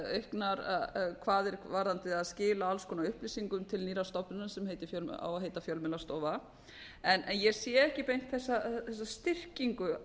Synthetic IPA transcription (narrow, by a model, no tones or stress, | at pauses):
œhknaɾakʰvaːðɛɾvaːɾðant̪ɪaðscɪːlaalskʰɔːnaʏhplisiŋkʏmt̪ʰɪlniːɾast̪ɔpnʏnasɛmhejt̪ɪ̥fjœla̰waɦeːjt̪afjœlmɪlast̪ɔːva | ɛnɛnjɛsjɛɛhcɪpejn̥t̪θɛsːaθɛsːast̪ɪr̥ciŋkʏ